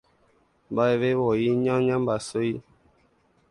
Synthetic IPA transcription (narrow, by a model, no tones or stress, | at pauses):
baeβewɔjiɲãŋɲãmbasoji